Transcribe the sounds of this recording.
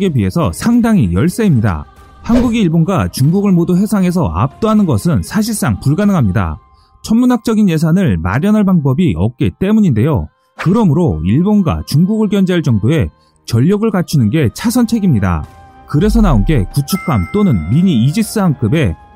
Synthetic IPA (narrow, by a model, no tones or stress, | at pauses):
ɡe̞bɥiɦe̞sʰʌ̰sʰaŋdaŋijʌɭs͈eimɲida̰ | hanɡuɡiiɭbonɡat͡ɕuŋɡuɡɯɭmoduɦe̞sʰaŋɦe̞sʰʌ̰a̰p̚t͈oɦanɯnɡʌsʰɯnsʰaɕ̬ʰiɭs͈aŋpuɭɡanɯŋɦamɲida̰ | t͡ɕʰʌnmunɦak̚t͡ɕ͈ʌɡinje̞s̬ʰanɯɭma̰ɾjʌnɦaɭbaŋbʌbiʔʌ̰k̚k͈it͈e̞muɲinde̞jo̰ | kɯɾʌmɯɾoiɭbonɡa̰t͡ɕuŋɡuɡɯɭɡjʌnd͡ʑeɦaɭt͡ɕ͈ʌŋdoe̞ | t͡ɕʌʎːʌɡɯɭkat͡ɕʰunɯnɡe̞t͡ɕʰasʰʌnt͡ɕʰe̞ɡimɲida̰kɯɾe̞sʰʌnaonɡe̞kut͡ɕʰuk̚k͈amt͈onɯnmiɲiːd͡ʑis͈ɯɦank͈ʰɯbe̞